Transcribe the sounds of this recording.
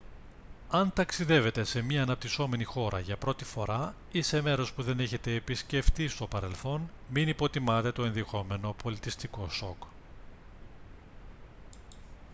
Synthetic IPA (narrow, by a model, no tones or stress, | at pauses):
ɐnt̪ɐksiðe̞ve̞t̪e̞se̞mɲɐːnɐp̚t̪iso̞me̞nixo̞ɾɐ̰ʝɐpɾo̞t̪ifo̞ɾɐ | ise̞me̞ɾo̞spuðe̞ne̞çe̞t̪e̞ːpisce̞ft̪ist̪o̞pɐɾe̞lθo̞n | minipo̞t̪imɐt̪e̞t̪o̞enðixo̞me̞no̞pʰo̞lit̪ist̪iko̞so̞k